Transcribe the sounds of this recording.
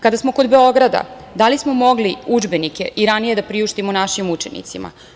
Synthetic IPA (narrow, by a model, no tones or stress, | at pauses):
kad̪asmo̞ko̞d̪be̞o̞ɡɾad̪a̰ | d̪alismo̞mo̞ɡliud͡ʒbe̞nike̞ʔiɾanije̞d̪apɾiuʃt̪imonaʃimut͡ʃenḭt̪sima̰